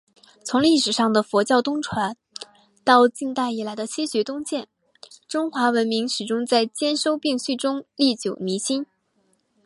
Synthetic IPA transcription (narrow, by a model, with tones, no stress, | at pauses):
t͡sʰʊ˧˥ŋli˥˩ʂɻ̩˨˩ʂɑ˥˩ŋd̪ə˩fwɔ˧˥t͡ɕjɑ˥˧ʊt̪ʊ˥ŋʈ͡ʂʰwa˧˥n | t̪ɑ˥˧ʊt͡ɕi˥˧nt̪a˥˩ɪi˨˩la˨˧˥ɪd̪ə˧t͡ɕʰi˥ɕɥɛ˧˥t̪ʊ˥ŋt͡ɕjɛ˥˩n | ʈ͡ʂʊ˥ŋxwa˧˥wə˧˥nmi˧˥ŋʂɻ̩˨˩ʈ͡ʂʊ˥ŋt͡sa˥˩ɪt͡ɕjɛ˥nʂo˥ʊpi˥˧ŋɕy˥˩ʈ͡ʂʊ˥ŋli˥˩t͡ɕjo˨˩ʊni˧˥ɕi˥n